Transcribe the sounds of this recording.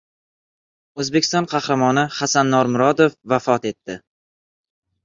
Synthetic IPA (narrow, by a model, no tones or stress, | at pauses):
ɵzbekʲʰɪst̪ɒnqʰɑhɾamɒnɪhasanːɒɾmʊɾɒd̪ofvafɒt̪e̞t̪ːɪ